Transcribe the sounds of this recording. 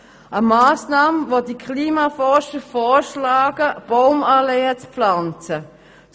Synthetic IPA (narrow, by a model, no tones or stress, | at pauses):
ʔəmaːsnaːmvodikʰliːmafɔʁʃəfɔːʃlaːɡ̥əb̥oʊmaleːət͡spflant͡sə